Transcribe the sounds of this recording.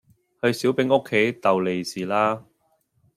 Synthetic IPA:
hɵ˧ɥsi˨˥wpɪ˨˥ŋʊ˥kʰːe˨˥jt̪ɐ˨wle˨jsiː˨˩laː˥

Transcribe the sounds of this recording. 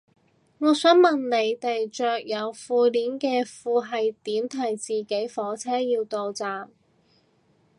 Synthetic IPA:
ŋɔː˨˧sœː˨˥ŋmɐ˨nne˨˧jt̪e˨jt͡ʃœː˨k̚jɐ˨˧wfuː˧liː˨˥nkɛː˧fuː˨˧ɦɐ˨jt̪iː˨˥mt̪ʰɐ˨˩jt͡siː˨˩ke˨˥jfɔː˨˥t͡sʰɛː˥jiː˧wt̪o˨wt͡saː˨˩m

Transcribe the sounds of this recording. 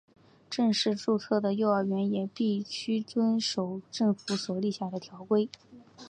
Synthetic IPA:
ʈ͡ʂɤ˥˧ŋʂɻ̩˥˧ʈ͡ʂu˥˧t͡sʰɤ˥˩d̪ə˩jo˥˧ʊa˞˥˩ɥɛ˧˥njɛ˨˩pi˥˩ɕy˥t͡swə˥nʂo˨˩ʊʈ͡ʂɤ˥˩ŋfu˧˥swɔ˨˩li˥˧ɕja˥˩d̪ə˩t̪ʰjɑ˧˥ʊkwe˥ɪ

